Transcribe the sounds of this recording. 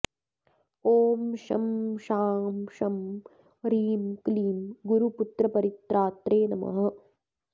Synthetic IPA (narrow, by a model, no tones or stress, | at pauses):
oːmʃɐ̰mʃaːmʃɐm | ɾiːmkliːmɡuɾuput̪ɾɐpɐɾit̪ɾaːt̪ɾeːnɐmɐ̰ɦɐ̆